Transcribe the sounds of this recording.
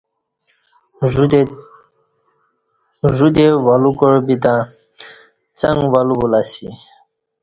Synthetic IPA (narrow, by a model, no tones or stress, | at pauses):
ʐud̪ewalukoɾbit̪ã | t͡sãŋɡwalubulasḭ